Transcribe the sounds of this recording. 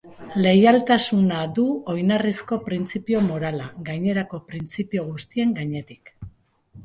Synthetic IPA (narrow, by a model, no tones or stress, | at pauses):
le̞jalt̪asunaðuo̞jnarisko̞pɾint͡sipio̞mo̞ɾalaɡajɲe̞ɾako̞pɾint͡sipio̞ɣ̞ust̪ie̞ŋɡaɲe̞t̪ik